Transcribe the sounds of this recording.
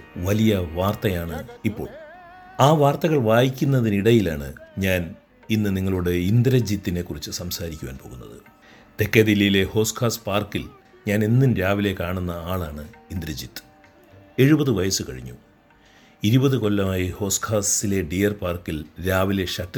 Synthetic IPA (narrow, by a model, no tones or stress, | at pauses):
ʋɐlijɐʋaːrt̪ɐjaːɳɨipːo̞̰ːɭ | aːʋaːrt̪ɐɣɐɭʋaːjikʲːunːɐðiniɽɐjilaːɳɨɲaːn | inːɨniŋːɐɭuɽe̞ind̪ɾɐd͡ʑit̪ːine̞kːurit͡ɕːɨsɐmsaːɾikʲːuʋa̰ːnpo̞ːɣunːɐ̰ðɨ̰ | t̪e̞kːed̪ilɐjile̞ho̞ːskʰaːspaːrkil | ɲaːnenːinɾaːʋile̞kaːɳunːɐaːɭaːɳɨind̪ɾɐd͡ʑit̪ːɨ̥ | e̞ɻubɐðɨʋɐjɐsɨkɐɻḭɲːṵ | iɾubɐðɨko̞lːɐmaːjiho̞ːshaːsile̞ɖijɐrpaːrkilɾaːʋile̞ʂɐtː